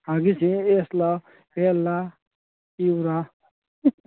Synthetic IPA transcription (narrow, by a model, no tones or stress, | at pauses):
aɡisʰĩeslʌ | elːa | iwɾa